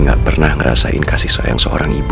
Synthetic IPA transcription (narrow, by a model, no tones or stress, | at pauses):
ŋaʔpərnahŋəɾa̰saʔɪnkasɪhsa̰jaŋsəoɾaŋib